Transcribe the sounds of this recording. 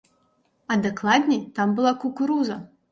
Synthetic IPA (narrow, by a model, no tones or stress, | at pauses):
ɐd̪ɨklˠad̪ʲnʲɛjt̪ambɨlˠakukuɾuzɐ